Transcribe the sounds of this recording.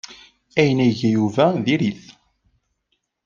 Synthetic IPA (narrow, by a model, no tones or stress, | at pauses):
æjənæʝæjuvæðiɾiθ